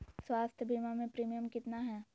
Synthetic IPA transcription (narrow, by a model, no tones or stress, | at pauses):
swaːst̪ʰjəbʱimamẽpɾiːmijəmkɪt̪naɦɛː